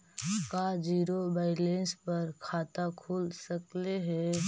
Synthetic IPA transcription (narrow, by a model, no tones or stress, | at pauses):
kad͡ʒiːɾobaːɪlẽːnspɐɾkʰaːt̪akʰuːlsəkleɦɛ